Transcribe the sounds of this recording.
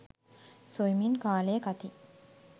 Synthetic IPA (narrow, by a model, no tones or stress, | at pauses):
sojminkaːleːkat̪i